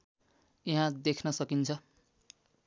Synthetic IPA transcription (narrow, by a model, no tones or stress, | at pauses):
iɦãd̪ekʰnʌsʌkint͡sʰʌ